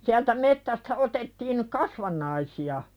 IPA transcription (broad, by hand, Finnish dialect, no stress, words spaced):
siæltæ metːæstæ otetːiːn kɑsʋɑnˑɑisiɑ